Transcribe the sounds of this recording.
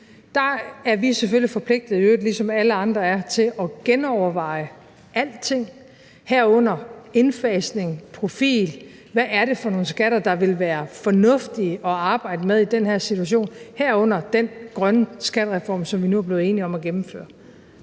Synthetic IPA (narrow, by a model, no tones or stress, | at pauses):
d̥ɑ̈æɐʋisefølifɒ̽pʰle̝ɡ̥̚d̥ð̩ˠijød̥lisɒ̽mæləɑ̈nd̥ʁɐæɐt͡sʰe̝lɒ̽ɡ̥enɒʊɐʋɑ̈ɪ̰ə | æl̰d̥t͡sʰe̝ŋ̰ | hæɐ̰ɔ̽n̰ɐe̝nfɛːsne̝ŋpʰʁo̝fḭːl | ʋæʔæɐɾe̝fɒ̽no̝ːn̩sɡ̥æɾ̥ɐd̥ɑ̈ʋe̝lʋæːɐfɒ̽nɔ̽fd̥iəɒ̽ɑ̈ːb̥ɑ̈ɪ̰d̥əmeðˠid̥enhæɐ̰sit͡sʰuæɕ̬o̝̰ːnhæɐ̰ɔ̽n̰ɐd̥enɡ̥ʁɶnəsɡ̥æd̥əʁɛfɒ̰ːmsɒ̽mʋinuæɐb̥le̝ːðˠe̝ːniɒ̽mæɡ̥emm̩fø̰ːɐ